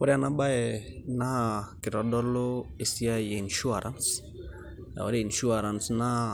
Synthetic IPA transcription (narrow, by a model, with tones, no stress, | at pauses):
kɔ˦ɾanaba˦ɛna˦kɪ˨ɾɔdɔ˦lo˦e˨si˦a˦jeinʃu˦aɾans | ja̰˨ɔ̰ɾe˦inʃu˦aɾansna˦